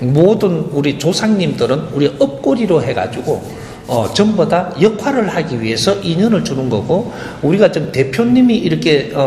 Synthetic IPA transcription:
modɯnuɾit͡ɕosʰaŋɲimdɯɾɯnuɾieʔʌp̚k͈oɾiɾoɦe̞ɡa̰d͡ʑuɡo | ʌt͡ɕʌmbʌdajʌkʰwaɾɯɭhaɡiɥiɦe̞sʰʌʔiɲʌnɯɭt͡ɕunɯnɡʌɡo | uɾiɡat͡ɕɯmte̞pʰjoɲːimiiɾʌkʰe̞ʌ

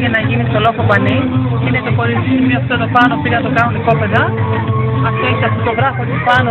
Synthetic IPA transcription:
ʝɐnɐʝinist̪olofopɐni | inet̪okoɾizinimiɐft̪ot̪opɐnopiɾnɐt̪okɐnuniko̞peðɐ | ɐft̪o̞eçit̪ɐft̪ot̪oɣɾɐfot̪ispɐno

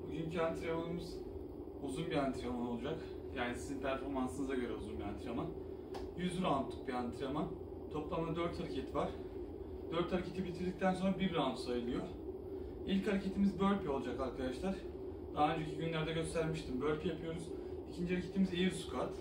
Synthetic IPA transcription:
buɟyncʰyant̪ʰɾemɯɯmɯz̥ | uzunbiant̪ʰɾamano̞lˠud͡ʒak | jaːnisizinpʰæɾfo̞ɾmansɯnɯzaɟø̞ɾɛuzunbia̰nt̪ʰɾaman | jyzyɾant̪ʰːˠu̥k̚biant̪ʰɾaman | t̪ʰo̞plˠamˠad̪øɾt̪haɾacʰe̞t̪ʰivaɾ̥ | d̪øɾt̪haɾacʰe̞t̪ibit̪ʰiɾd̪ic̚t̪ʰænso̞nɾabibɾamsajɯlˠɯjo | ilʲchaɾacʰe̞t̪ʰimizbø̞ɾʲpʰiolˠud͡ʒakaɾkʰad̪aʃlˠaɾ̥ | d̪aɦaø̞nd͡ʒecʰiɟynlʲæɾd̪ɛɟø̞st̪ʰæɾmiʃt̪ʰimbøɾpʰijapʰɯjo̞ɾuz | icʰind͡ʒihaɾacʰet̪ʰimizejiɾsu̥kʰat̪

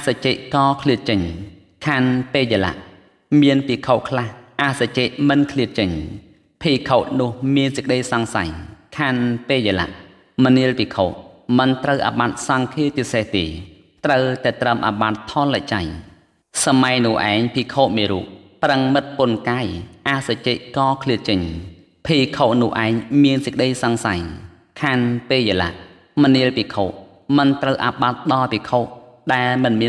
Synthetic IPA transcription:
ʔasat͡ɕeːʔkɑːkʰliət̪̚t͡ɕəɲ | kʰaːnpeːjala̰ʔ | miənpiːkʰoːʔkʰlahʔasat͡ɕeːʔ̚mɨnkʰliət̪̚t͡ɕəɲ | pʰiːkʰoːʔ̪̚nʊ̆əhmiənsək̚ɗəjsɑŋsa̰jkʰaːnpeːjala̰ʔ | məniəlpiːkʰoːʔ̚mɨnt̪rəwʔa̰ɓat̪̚sɑŋkʰiət͡ɕiseht̪eː | t̪rəwt̪aɛt̪rəmʔa̰ɓat̪ʰːollac̚t͡ɕaj | samajnʊ̆əʔa̰ɛŋpʰiːkʰoːʔmiːɾuːʔprəŋmɨt̪̚pʊənkaːjʔaʔsac̚t͡ɕeːʔ̚kɑːkʰliət͡ɕəɲ | pʰiːkʰoːʔnʊ̆əhʔaɛŋmiənsəkəɗəjsɑŋsaj | kʰaːnpeːjəla̰ʔ | məniəlpiːkʰoːʔ | mɨnt̪rəwʔa̰ɓat̪̚ɗɑːpikʰoːʔ | ɗaɛlmɨnmiə

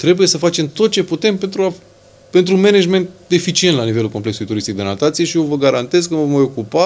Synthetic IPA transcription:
t̪ɾe̞buje̞səfat͡ʃe̞mt̪o̞t̪̚t͡ʃe̞put̪e̞mpe̞nt̪ɾua | pe̞nt̪ɾume̞ned͡ʒme̞nt̪̚d̪efit͡ʃient̪lanive̞lulko̞mple̞ksulujt̪uɾist̪ik̚d̪e̞nat̪at̪sije̞ʃijovəɡaɾant̪e̞zkəvomajo̞kupa

